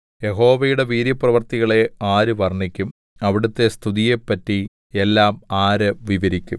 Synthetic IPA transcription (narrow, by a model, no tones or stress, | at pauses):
je̞ɦo̞ːʋɐjuɽe̞ʋiːɾjɐprɐʋɐrt̪iɣɐɭe̞aːɾɨʋɐrnːikʲːum | ɐʋiɽut̪ːe̞st̪ʰuðije̞pːɐtːi | elːaːmaːɾɐʋiʋɐɾikʲːum